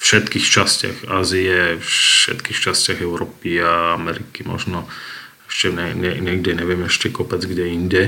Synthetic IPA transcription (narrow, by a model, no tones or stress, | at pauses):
fʃɛt̪kiːxt͡ʃascɪa̰xaːzijɛfʃɛ̰t̪kiːxt͡ʃascɪaɣɛʊɾɔpiaamɛɾikimɔ̰ʒnɔ | ɛʃcɛɲɛɲɛɲɛɡɟɛɲɛʋɪɛmɛʃcɛkɔpɛd͡zɡɟɛinɟɛ